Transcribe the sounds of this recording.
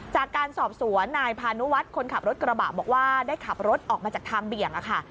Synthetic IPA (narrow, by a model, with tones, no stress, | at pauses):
t͡ɕaː˨˩kːaː˧nsɔː˨˩p̚su˩˦ənːaː˧jpʰaː˧nu˦˥wa˦˥t̪̚kʰo˧nkʰa˨˩p̚ɾo˦˥t̪̚kɾa˧baː˨˩bɔː˨˩k̚waː˥˩daː˥˩jkʰa˨˩p̚ɾo˦˥t̪̚ʔɔː˨˩k̚maː˧t͡ɕaː˨˩k̚t̪ʰaː˧ŋbi˨˩əŋʔa˨˩kʰa˥˩